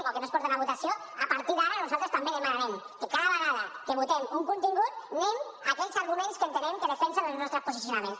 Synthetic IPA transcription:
okenospɔɾt̪enaβut̪asio | apaɾt̪iðaɾanuzalˠt̪ɾest̪ambeðemanaɾem | kekaðaβeɣaðakeβut̪ɛmuŋkunt̪iŋɡut̪nemakɛʎsaɾɣumẽnskent̪eɾɛmkeðefɛnsenəlznɔst̪ɾəspusisjunamẽns

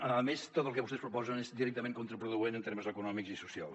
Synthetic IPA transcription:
əəðəmest̪ot̪əlˠkəβust̪ɛspɾupɔzənezd̪iɾɛk̚t̪əmẽŋkunt̪ɾəpɾuðuenənt̪eɾməzəkunɔmikzisusia̰lˠ

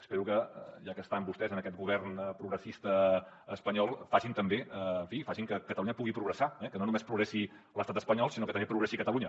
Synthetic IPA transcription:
ə̥speɾukəʒakəst̪ambust̪ɛzənəkɛt̪ɡuβ̞ɛrnpɾuɣɾəsist̪ə | əspəɲɔlˠfaʒint̪əmbeəfifaʒiŋkəkət̪əluɲəpuɣipɾuɣɾəsaɛkənonumespɾuɣɾɛsi | ləst̪at̪əspəɲɔlˠsinokət̪əmbepɾuɣɾɛsikət̪əluɲə

